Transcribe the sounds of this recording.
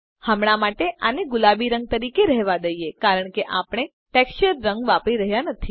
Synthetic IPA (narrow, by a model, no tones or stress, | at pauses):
həmɽamaʈeʔaneɡʊlabiɾəŋɡ̚t̪əɾikeɾɛɦʋad̪əijekaɾəɳ̃keʔapɽ̃e | ʈɛkst͡ʃəɾːəŋɡʋapɾiɾəɦjanət̪ʰi